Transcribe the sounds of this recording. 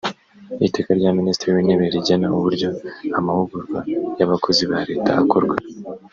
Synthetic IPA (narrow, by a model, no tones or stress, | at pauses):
itekaɾɟaːminiːstɾijineβeɾiɟanauβuɾɟo̞amaβuɡuɾvajaβakʰo̞ziβaɾe̞ːtaːkoɾɡwa